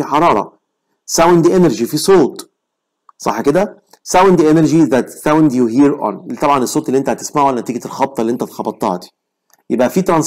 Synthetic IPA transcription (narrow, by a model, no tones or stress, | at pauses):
iħɑɾˤɑːɾˤɑ̰ | sawnd̪iʔeneɾʒifisˤoːt̪ˤ | sˤɑ̰ħːked̪æ | sawnd̪iʔeneɾʒiðæt̪sawnd̪juɦiːɾʔɔ̰nt̪ˤɑbʕɑnesˤːoːt̪elːiʔent̪æht̪ɪ̥smaʕuælnːæt̪iːɡet̪elxɑb̚t̪ˤɑlːiʔent̪æt̪xɑbɑt̪ˤːɑ̰ːt̪i̥ | jebʔæfiːt̪ɾˤɑns